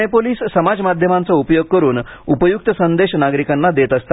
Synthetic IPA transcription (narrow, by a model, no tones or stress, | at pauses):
epoliːssəmad͡zmad̪ʱjəmant͡səupəjoɡ̚kəɾuːnupəjuk̚t̪əsənd̪eɕnaɡɾikanːad̪et̪əst̪a